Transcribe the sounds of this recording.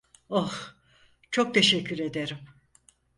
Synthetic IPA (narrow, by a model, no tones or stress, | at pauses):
oh | t͡ʃʰo̞k̚t̪ʰe̞ʃɛcʰːyɾe̞d̪e̞ɾim